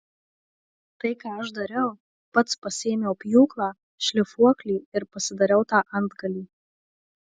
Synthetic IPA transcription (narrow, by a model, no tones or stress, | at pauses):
t̪ɐɪkɑːɐʃd̪ɐɾʲɛʊ | pɐt̪spɐsʲeːmʲeʊpʲjuːklˠɑː | ʃʲlʲɪfuɔklʲiːɪɾpɐsʲɪd̪ɐɾʲɛʊt̪ɑːʔɐnd̪ɡɐlʲiː